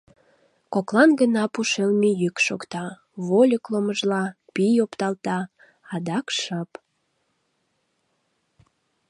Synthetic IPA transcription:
koklɑnɡənɑpuʃelmijykʃokt̪ɑ | βolʲəkloməʒlɑpijopt̪ɑlt̪ɑː | d̪ɑkʃɑp

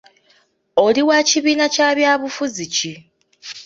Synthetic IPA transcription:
o̞liwaːciβiːnacaːβjaːβufuzici

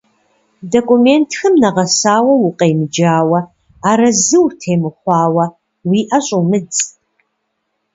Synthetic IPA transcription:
dokʼumeːntʰxɐmnɐʁɐsaːwɐwʊqʼejmɨd͡ʒaːwɐ | aːɾɐzɨwtʰeːmɨχʷɑːwɐ | wiːʔɐɕʼumɨt͡sʼ

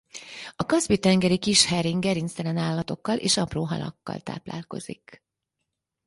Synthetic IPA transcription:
ɒkɒzbit̪ɛŋɡɛɾikiʃhɛɾiŋɡɛɾinst̪ɛlɛnaːlːɒt̪o̞kːɒlʔḛːʃɒproːɦɒ̰lɒ̰kːɒ̰lt̪a̰ːpla̰ːlko̞̰z̥ḭk

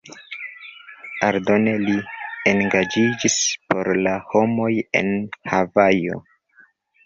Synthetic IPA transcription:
aɾdo̞nelienɡad͡ʒid͡ʒispo̞ɾlaho̞mo̞je̞̰nhavajo̞̰

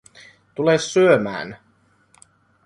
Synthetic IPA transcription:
t̪ulesːyømæ̰ːn

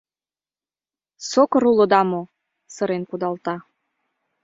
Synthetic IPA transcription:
sokɤ̆ɾulod̪ɑmo | sɤ̆ɾenkud̪ɑlt̪ɑ

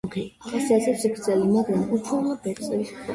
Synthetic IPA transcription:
kʰiasɛasɛsikʰɾd̪zɛlimaɡɾamut͡ʃʰɛlabɛɾt̪sʼɛliskɔ

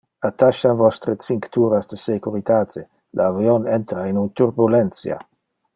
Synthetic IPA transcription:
at̪aʃavɔst̪ɾet͡siŋkt̪uːɾasd̪əsekuɾit̪aːt̪ʰe | lʔaːvionɛnt̪ɾainunt̪uɾbulɛnt̪sja̰

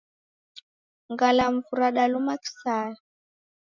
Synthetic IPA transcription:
ŋɡalaɱvuɾaɗalumaki̥saːja

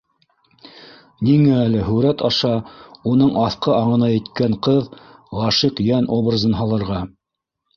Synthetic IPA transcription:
niŋæːlɘɦɵɾæt̪ɑʃɑunɤɴʔɑθqɤɑɴɤ̆nɑjɘ̆t̪kæɴqɤðʁɑʃiqjænʔobrazɤnɦɑlˠɤ̆ɾʁɑ

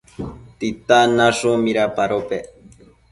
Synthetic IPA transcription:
t̪it̪anaʂumiɾapaɾope

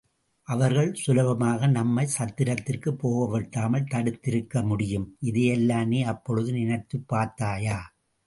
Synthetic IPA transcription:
ʔɐʋɐɾɣɐɭsʊlɐʋɐmaːɣɐnɐmːɐɪsɐt̪ːɪɾɐt̪ːɪrkɯpːoːɣɐʋɛʈːaːmɐlt̪ɐɽɯt̪ːɪɾɯkːɐmʊɽɪjɯmʔɪðejɛlːaːneːɐpːɔɻɯðɯnɪnɐt̪ːɯpːaːɾt̪ːaːjaː

